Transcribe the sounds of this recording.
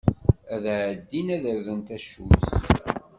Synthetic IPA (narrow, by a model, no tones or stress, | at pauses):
æðʕd̪ːinæðəɾvənt̪æʃuθ